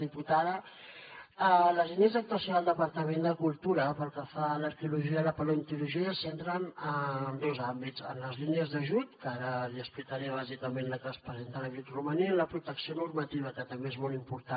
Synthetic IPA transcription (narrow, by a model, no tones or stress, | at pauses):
iput̪aðə | ələzliniəzðək̚t̪uəsjoðəlˠd̪əpəɾt̪əmend̪əkulˠt̪uɾəpəlˠkəfaləɾkiuluʒiələpəlont̪iɾuʒiəsent̪ɾənənd̪ozambitt͡sə̰nləzliniəzðəʒut̪kaɾəliəsplikəɾeəβ̞azikəmenləkəspɾəzent̪ələʒut̪ruməniənləpɾut̪əksionurmət̪iβ̞əkət̪əmbeezmɔlˠimpuɾt̪a